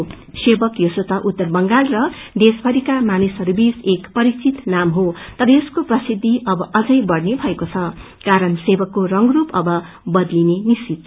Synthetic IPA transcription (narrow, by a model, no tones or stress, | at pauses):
sebʌkjosot̪ʌʔut̪ːʌrbʌŋɡalrʌd̪esbʱʌɾikamanisʌɾubisekpʌɾit͡sit̪namɦot̪ʌɾʌeskoprʌsid̪ʱːiʔʌbʌʔʌd͡zʌjbʌɽnebʱʌekot͡sʰʌ | kaɾʌnsebʌkːorʌŋɡrupʌbʌ | bʌd̪linenist͡sit̪̚